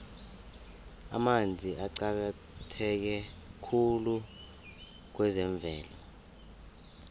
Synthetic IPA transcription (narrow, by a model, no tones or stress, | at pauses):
a̰mand͡zʱiʔaǀak̬a | tʰɛk̬ɛkʰulu | k̬wɛzɛɱb̪vʱɛːlɔ